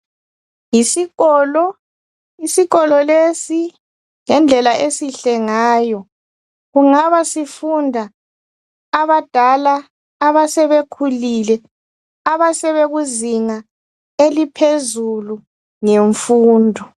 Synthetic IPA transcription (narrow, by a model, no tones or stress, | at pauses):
jisiɣɔlɔ | isiɣɔlɔlesi | ŋɛnd͡ɮʱɛlaʔesiɬɛŋaːjɔ | ɣuŋaβasifundʱaː | βad̥ʱalaː | βasɛβekʰulilɛ | aβasɛβeɣuziŋa | elipʰezulu | ŋeɱfuːndʱɔ